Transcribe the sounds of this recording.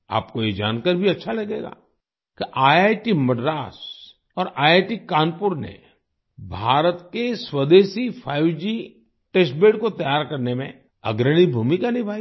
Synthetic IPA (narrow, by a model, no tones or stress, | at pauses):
a̰ːp̚kojed͡ʒaːnkəɾbʱiɐtːʃʰalɐɡeːɡa̰ː | kiʔaːjaːjʈimɐɖɾaːs | ɔːɾʔaːeʈikaːnpʊɾnḛ | bʱaːɾət̪keswəd̪eːsifʰaːɪʋd͡ʒi | ʈesʈbeːɖkot̪ɐjaːɾkɐɾnemḛ̃ | ɐɡɾəɽ̃ibʱuːmikanɪibʱaːi